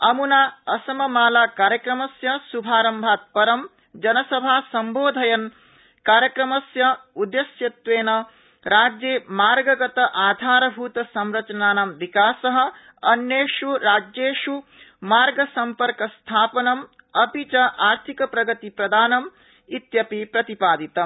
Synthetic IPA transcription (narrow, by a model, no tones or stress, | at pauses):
ɐmunaːɐsɐmɐmaːlaːkaːɾjɐkɾɐmɐsjɐsubʱaːɾɐmbʱaːt̪̚pɐɾɐm | d͡ʒɐnɐsɐbʱaːsɐmboːd̪ʱɐjɐn | kaːɾjɐkɾɐmɐsjɐud̪esjɐt̪ʋeːnɐ | ɾaːd͡ʒjeːmaːɾɡɐɡɐt̪ɐʔaːd̪ʱaːɾɐbʱuːt̪ɐsɐmɾɐt͡ʃɐnaːnɐmʋikaːsɐɦɐ̆ | ɐnjeːʂuɾaːd͡ʒeːʂu | maːɾɡɐsɐmpɐɾkɐst̪ʰaːpɐnɐm | ɐpit͡ʃɐʔaːɾt̪ʰikɐpɾɐɡɐt̪ipɾɐd̪ʱaːnɐm | it̪jɐpipɾɐt̪ipaːd̪it̪ɐ